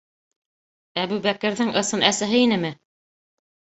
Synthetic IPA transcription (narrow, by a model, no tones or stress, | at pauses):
æbʉβækɘ̆ɾðɘŋʔɤ̆sɤnʔæsæɦɘinɘmɘ